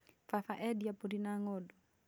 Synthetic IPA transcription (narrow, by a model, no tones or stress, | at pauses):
fafaʔɛdiapuɾinaŋɔdɔ